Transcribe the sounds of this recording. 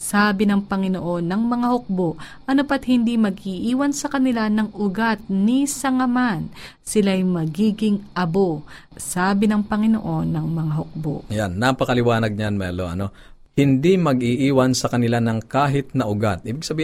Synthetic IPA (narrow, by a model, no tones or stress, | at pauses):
saːbɪnɐŋpɐŋɪnoʔo̞nːɐŋmɐŋahʊk̚boʔʔɐnopɐt̪̚hɪnd̪imɐɡʔiʔiːwɐnsɐkɐnɪlanɐŋʔʊɡat̪̚nisɐŋɐman | sɪlajmɐɡiːɡɪŋʔɐbo | saːbɪnɐŋpɐŋɪno̰ʔo̞nːɐŋmɐŋaɦʊk̚bo̰ʔʔɐjanːapɐkɐlɪwaːnɐɡ̚ɲanmɛlo̰ʔɐ̰no̞ | hɪnd̪imɐɡʔiʔiːwɐnsɐkɐnɪlanɐŋkaːɦɪt̪̚nɐʔʊɡat̪̚ʔiːbɪɡ̚sɐbiː